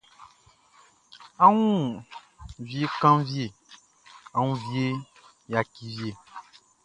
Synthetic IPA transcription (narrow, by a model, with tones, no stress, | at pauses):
a˦wũ˦ | vje˦kã˦vje˨ | a˨ŋũ˦vje˦ | ja˨ki˨vi˦e˦˨